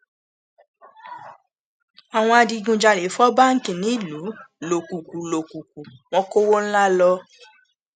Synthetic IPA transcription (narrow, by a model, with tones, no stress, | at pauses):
a˨w̃ɔ̃˧a˧di˧ɡũ˧˨d͡ʒa˧le˨˦fɔ˦ba˦ŋ̩˦kĩ˦˨nĩ˨˦i˦˨lu˨˦lo˨ku˨ku˨lo˨ku˨ku˨w̃ɔ̃˦ko˦wo˦n̩˦la˦lɔ˧